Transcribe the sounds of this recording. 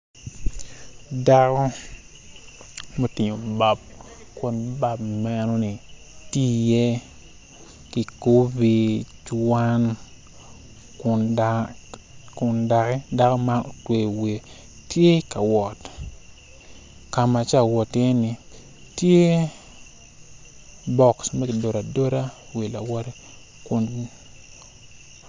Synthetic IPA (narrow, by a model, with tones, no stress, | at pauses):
da˦kɔ˦ | mo˦ti˨ɲo˨ba˨b̚ | ko˨nba˦bmɛ˦no˦ni˨ | ti˦jɛ˦ | ki˨ko˦bi˦t͡ʃwa˦n | kʊ˨nda˨kɛ˦da˦ko˦ma˦o˨twe˨we˨ | tje˦ka˨wɔ˨t | ka˨ma˨t͡ʃa˦˨wɔ˨tjɛ˦ni˨ | tje˦ | bɔ˨ksmɛ˦kɪ˨do˨ɾa˨do˦ɾa˦we˨la˨wɔ˦ɾɛ˦ | kʊ˨n